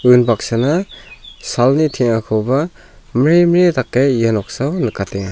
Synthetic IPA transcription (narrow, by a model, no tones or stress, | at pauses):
ɯnbak̚sana | salnitʰiŋakʰɔwba | miɾejmɾitakːejjanɔk̚sawnɯkateŋa